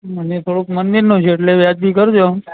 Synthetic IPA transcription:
mənet̪ʰoɽukmənd̪iɾnot͡ʃʰeːʈleʋjad͡ʒb̪ikəɾd͡ʒo

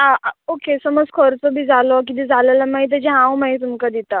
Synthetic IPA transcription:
ɦaokesəməd͡zkʰɔɾt͡sɔbʱiːd͡zʱalɔk̬it̪ĩd͡zʱalelamaɦit̪̬ad͡ʑeɦãwmaɦit̪umkad̪it̪a

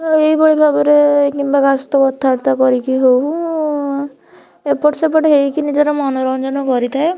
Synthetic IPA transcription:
eibɔɭibʱabɔɾekimbakasɔt̪ɔbɔt̪ʰːaɾt̪akɔɾikiɦow | epɔʈsepɔʈeɦeikinid͡ʒaɾɔmɔnɔɾɔnd͡ʒɔnɔkɔɾit̪ʰae

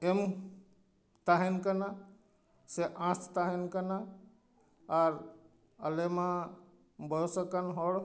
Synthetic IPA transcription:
em | t̪aɦinkəna | seʔãst̪aɦinkəna | aɾ | əlemã | bʱəsəkənɦoɽ

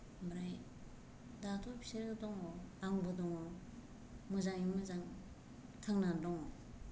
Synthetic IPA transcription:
mɾaj | datʰɔpʰi̥seɾɡɯdɔŋɔaŋbɯdɔŋɔ | mɯzaŋimɯzaŋ | tʰaŋnandɔŋɔ

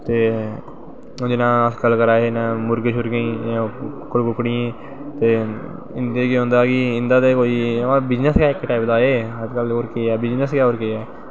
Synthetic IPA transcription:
t̪eː | d͡ʒɪnãːəskəlkəɾaːenãːmʊɾɡeʃʊɾɡəĩːãkːʊlkʊkɽiːẽː | t̪eː | ɪnd̪eːkiɦõːnd̪aːkɪɪ̃nd̪aːt̪eːkoːiːãbɪd͡ʒnəskjaːɪkːʈaːɪpd̪aːeːɦəd͡ʒkəloːɾkeːɛːbɪd͡ʒnəskjaːoːɾkeːɛː

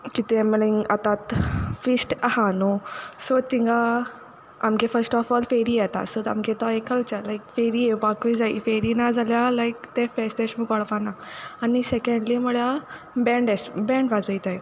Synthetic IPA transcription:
kit̪eməliŋat̪at̪fisʈahanosot̪ĩŋɡa | amkefəɾsʈɔfɔlfeɾijɛt̪a̰sot̪a̰mket̪ɔekəlt͡ɕalajkfeɾiebakid͡zaḭfeɾinad͡zʱaljalajkt̪efesʈeʂmikaɽpanaanisekəɳɖliməla | bɛ̃ɳɖesbɛ̃ɳɖʋad͡zəit̪aj

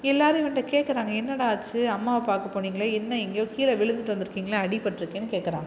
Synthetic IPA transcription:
ɛlːaːɾɪʋɪɳɖɐkeːʈkɐɾaːŋɡɐɛnːɐɽɐaːt͡ʃːɯɐmːaːʋɐpaːɾkɐpːoːniːŋɡɐɭɐɛnːɐɛŋɡjoːkiːlɐʋɪɭɯnd̪ɯʈːɯʋɐnd̪ɪɾɯkːiːŋɡɐɭɐɐɽɪpːɐʈʈːɪɾɯkːeːnːɯkeːʈkɐɾa̰ːŋɡɐ

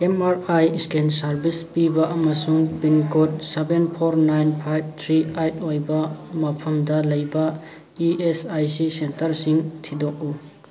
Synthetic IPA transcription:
emaɾajskensɐɾbispibɐʔɐmɐsuŋbinkot̚sebenpʰoɾnajnpʰajb̚t̪ʰɾiajt̚ojbɐmɐpʰɐmdɐlɐjbɐ | iesajsisentɐɾsiŋtʰidok̚u

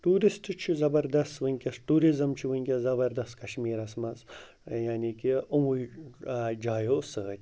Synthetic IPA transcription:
ʈuːɾisʈt͡ʃʰizɐbɐɾd̪ɐst̪ʋɨnʲkʲɐsʈuːɾizɐmt͡ʃʰiʋɨnʲkʲɐzɐbɐɾd̪ɐst̪kɐʃmiːɾɐsmɐz | jaːnikiʔumuj | d͡ʒaːjoːsəːt̪ʲ

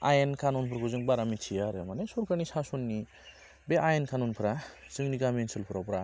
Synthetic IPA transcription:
ajenkʰanunpʰɯɾakuzɯŋbaɾamit͡ʃʰijaɾɯmanesɔɾkʰaɾnisasɔnːi | beʔajenkʰanɔnpʰɯɾa | zɯŋniɡamiensɯlpʰɯɾapɾa

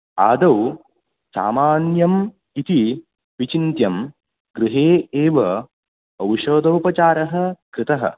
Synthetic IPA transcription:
a̰ːd̪ɐw | sa̰ːmaːnjɐm | it̪i | ʋit͡ʃint̪jɐm | ɡɾɪɦeːeːʋɐ | ɐwʃoːd̪ɐwpɐt͡ʃaːɾɐɦɐ̆kɾɪt̪ɐɦɐ̰

